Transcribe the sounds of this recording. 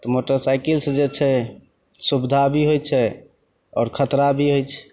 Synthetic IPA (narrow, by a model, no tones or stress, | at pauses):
t̪ɔmoʈəɾsajkilsd͡ʒet͡ʃʰɛ | subd̪ʱabʱiɦojt͡ʃʰɛ | ɔ̰ːɾkʰət̪ɾabʱiɦojt͡ʃʰɛ̥